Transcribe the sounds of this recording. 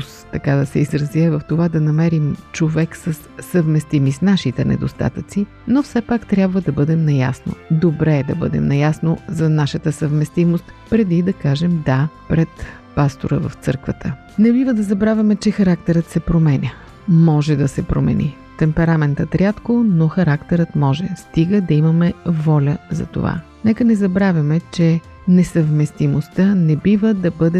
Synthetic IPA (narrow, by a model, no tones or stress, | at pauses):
st̪ɐkad̪ɐsɛizɾɐziɛvɐft̪ovad̪ɐnɐmɛɾimt͡ʃovɛksəsːəvmɛst̪imisnaʃit̪ɛnɛ̰d̪ost̪a̰t̪ət̪si | nofsɛpakt̪ɾʲjabvəd̪ɐbɤd̪ɛmnɐjasno̰d̪obɾɛːd̪ɐbɤ̰d̪ɛ̰mnɐjasnozɐnaʃət̪əsəvmɛst̪imost̪pɾɛd̪id̪ɐkaʒɛmd̪apɾɛt̪ | past̪oɾəvə̰ft̪sɤ̰ɾkvət̪ʰə | nɛbivəd̪ɐzɐbɾavʲɐmɛt͡ʃɛxɐɾakt̪ɛɾət̪sɛpɾomɛnʲə | mɔʒɛd̪ɐsɛpɾo̰mɛ̰nḭ | t̪ɛmpɛɾamɛnt̪ət̪ɾʲat̪konoxɐɾakt̪ɛɾət̪mɔʒɛ̰st̪iɡəd̪ɐimɐmɛvɔlʲəzɐ̰t̪o̰va̰ | nɛkənɛzɐbɾavʲjɐmɛt͡ʃɛ | nɛsəvmɛst̪imost̪ənɛbivəd̪ɐbɤd̪ɛ